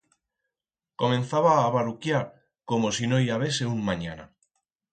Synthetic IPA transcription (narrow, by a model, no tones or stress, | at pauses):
komẽnθaβaːβaɾukjaɾ | komosinoiaβeseuŋmaɲana̰